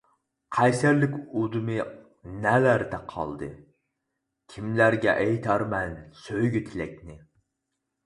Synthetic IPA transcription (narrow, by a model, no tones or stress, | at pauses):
qʰæjsæɾlɪkʲud̪ɨmɨ | nɛlæɾd̪ɛqʰɑ̰lˠd̪ɨ | kʲʰimlæɾɡʲɛ̰ʔɛjt̪ʰɑɾmɛnsøjɡʲyt̪ʰɪlɛk̚ʲnɪ